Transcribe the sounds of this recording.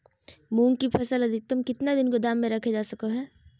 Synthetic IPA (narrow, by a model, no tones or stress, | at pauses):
mũːŋkipʰɛsəlɐd̪ʱɪk̚t̪əmkɪt̪nad̪ɪnkod̪aːmːẽɾɐkʰed͡ʒaːsɐkoɦɛː